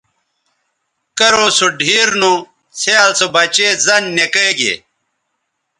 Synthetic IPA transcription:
kɐɾosuɖʱiːɾnu | sʰeaːlsobɐt͡ɕezɐnːekejɡḛː

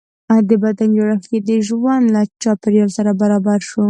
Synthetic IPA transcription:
ad̪əbad̪and͡ʒaɽaxked̪əʒwanlat͡ʃɑpɪɾjɑlsaɾabaɾɑbaɾʃu

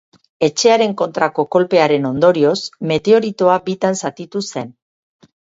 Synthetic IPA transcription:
e̞t͡ʃe̞aɾe̞ŋko̞nt̪ɾako̞ko̞lpe̞aɾe̞no̞nd̪o̞ɾio̞sme̞t̪e̞o̞ɾit̪o̞abit̪ansat̪it̪use̞n

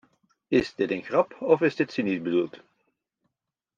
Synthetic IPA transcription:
ɪzdɪtənχrɑpɔvɪzdɪtsinid̚bədulˠt

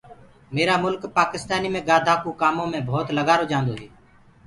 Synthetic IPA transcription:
meːɾaːmʊlkpaːkɪst̪aːniːmẽːɡaːd̪ʱaːkuːkaːmõːmẽːbʱoːt̪ləɡaːɾoːd͡ʒãːnd̪oːɦɛː

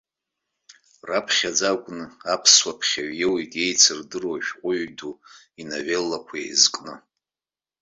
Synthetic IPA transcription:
rapʰχʲad͡zakʷʼnɨapʰswapʰχʲaɥjewjtʼe̞jt͡sʰɨrdɨroʃᶣqʷʼʊɥdu | inavelːakʷʰaḛjzkʼnɨ

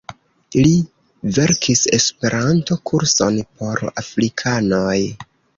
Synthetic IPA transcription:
ili | ve̞ɾkʰise̞spe̞ɾʔanto̞kʰuɾso̞̰npo̞ɾa̰fɾikʰano̞j

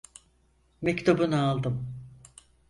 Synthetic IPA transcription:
mɛct̪ʰubunaalˠd̪ɯm

